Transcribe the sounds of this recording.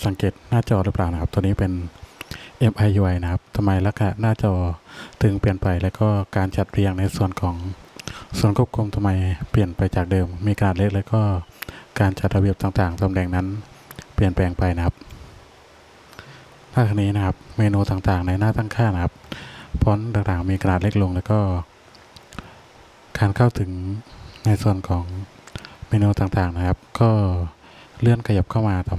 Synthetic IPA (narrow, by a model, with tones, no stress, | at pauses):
sa˨˩˦ŋkeː˨˩t̪̚naː˥˩t͡ɕɔː˧ɾɯ˦˥plaː˨˩na˦kʰa˦˥p̚t̪ɔː˧niː˦˥pe˧n | ʔe˦˥mʔa˧jʔuː˧ʔa˧jna˦˥kʰa˦˥p̚t̪ʰa˧mːa˧jla˦˥kʰːa˧na˨˩naː˥˩t͡ɕɔː˧˩t̪ʰɯ˨˦ŋpi˨˩ənpa˧jlɛ˦˥wkɔː˥˩kaː˧nt͡ɕa˨˩t̪̚ɾi˧əŋna˧jsu˨˩ənkʰɔː˩˦ŋ | su˨˩˦ənku˦˥˩p̚kʰu˧mt̪ʰa˧mːa˧jpli˨˩ənpa˧jt͡ɕaː˨˩k̚dɤː˧mːiː˧kʰa˧naː˨˩t̪̚le˦˥k̚leː˦˥wkɔː˥˩kaː˧nt͡ɕa˨˩t̪̚ɾa˧bi˧˩ə˩pt̪aː˨˩ŋt̪aː˨˩ŋt̪a˧mdɛː˧ŋna˦˥npli˨˩ənpɛː˧ŋpa˧jna˦˥kʰa˦˥p̚ | naː˥˩k̪ʰa˧niː˦˥na˦˥kʰa˦˥p̚meː˧nuː˧t̪aː˨˩ŋt̪aː˨˩ŋna˧jnaː˥˩t̪aː˥˩ŋkʰaː˥˩na˦˥kʰa˦˥p̚pʰɔː˦˥nɾaː˧k̚t̪aː˨˩ŋmiː˧kʰa˧naː˨˩le˦˥k̚lo˧ŋlɛː˦˥wkɔː˥˩ | kaː˧nkʰa˥˩wt̪ʰɯ˩˦ŋna˧jsu˨˩ənkʰɔː˩˦ŋ | meː˧nuː˧t̪aː˨˩ŋt̪aː˨˩ŋna˦˥kʰa˦˥p̚kɔː˥˩ | lɯ˥˩ənkʰa˧ja˨˩p̚kʰa˥˩wmaː˧t̪ɔː˧˩